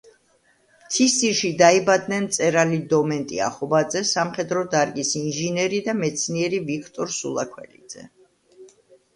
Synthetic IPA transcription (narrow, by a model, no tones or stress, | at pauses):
mt̪sʰissiɾʃid̪aibad̪nɛnt̪sʼɛɾalid̪ɔmɛnt̪ʼḭa̰χɔbad̪zɛsamχɛd̪ɾɔd̪aɾɡʼisinʒinɛɾid̪amɛt̪sʰniɛɾivikʰt̪ʼɔɾsṵlˠakʰwɛ̰lid̪z̥ɛ̰